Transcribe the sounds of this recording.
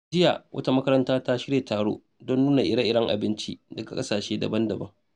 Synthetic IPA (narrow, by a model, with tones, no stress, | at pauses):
d͡ʒɪ˦ja˨wʔɐ̰˦ta˦mɐ˦kɐ˦ɾɐ˦ntaː˦ta˦ʃɪ˦ɽjeː˨taː˨ɽo̰ː˦ | dɔ˦nːuː˦na˨ʔɪ˨ɽɐ˦ʔɪ˦ɽɐ˦ŋʔa̰˨bɪ˦nt͡ʃḭ˦dɐ˨ɡa˨kʼɐ˦saː˨ʃeː˦dɐ̰˨bɐ˦ndɐ˨bɐ˦ŋ